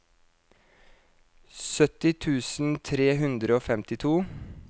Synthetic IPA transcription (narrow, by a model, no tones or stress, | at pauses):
sœt̪ɪt̪ʰʉːsn̩t̪ʰɾeːɦʉnd̪ɾəoːfɛmt̪ɪt̪ʰuː